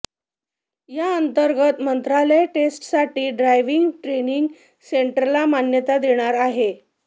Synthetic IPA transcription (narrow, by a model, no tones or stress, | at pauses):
jaənt̪əɾɡət̪mənt̪ɾaləjʈesʈsaʈiːɖɾajʋiŋɡʈɾeniŋɡ | seɳʈəɾɾlamanjət̪ad̪eɽ̃aɾaɦe